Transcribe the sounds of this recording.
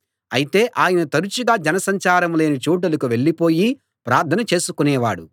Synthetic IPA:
ɐ̰jit̪e̞ːʔaːjɐnɐt̪ɐɾut͡ʃuɡaːd͡ʒɐnɐsɐɲt͡ʃaːɾɐmle̞ːnit͡ʃuːʈ̬ɐlɐkuʋe̞ɭːipo̞ːji | pɾaːɾt̪ʰɐnɐt͡ʃe̞ːsukunɛːʋa̰ːɽu

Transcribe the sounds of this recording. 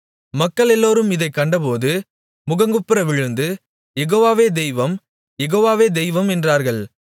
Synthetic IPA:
mɐkːɐɭɛlːoːɾɯmɪðɐɪkːɐɳɖɐpoːðɯ | mʊɣɐŋɡɯpːɪɾɐʋɪɻɯnd̪ɯ | jɛɣoːʋaːʋeːd̪ɛɪʋɐm | jɛɣoːʋaːʋeːd̪ɛɪʋɐmɛndraːɾɣɐɭ

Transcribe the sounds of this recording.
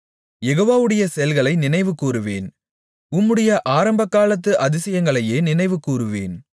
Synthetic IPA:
jɛɣoːʋaːʋɯɽɐjɐsɛjɐlɣɐɭɐɪnɪnɐɪʋɯkːuːɾɯʋḛːn | ʊmːɯɽɐjɐʔaːɾɐmbɐkːaːlɐt̪ːɯʔɐðɪsɐjɐŋɡɐɭɐjeːnɪnɐɪʋɯkuːɾɯʋḛːn

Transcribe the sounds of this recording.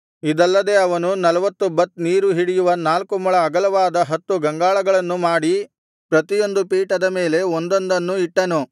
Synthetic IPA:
id̪ɐlːɐd̪e̞ɐʋɐnunɐlɐʋɐt̪ːubɐt̪ːniːɾuɦiɽijuʋɐnaːlkumɐɭɐːɡɐlɐʋaːd̪ɐɦɐt̪ːuɡɐŋɡaːɭɐɡɐɭɐnːumaːɽi | pɾɐt̪ijo̞nd̪upiːʈɐd̪ɐme̞ːle̞ond̪o̞nd̪ɐnːuiʈːɐnu

